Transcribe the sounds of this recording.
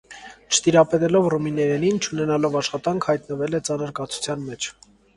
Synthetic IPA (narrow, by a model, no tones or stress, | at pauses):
t͡ʃʰə̥t̪iɾɑpɛt̪ɛlɔvruminɛɾɛnint͡ʃʰunɛnɑlɔvɑʃχɑt̪ɑŋkʰhɑjt̪nəvɛlɛt͡sɑnəɾkɑt͡sʰu̥t͡sʰjɑnmɛt͡ʃʰ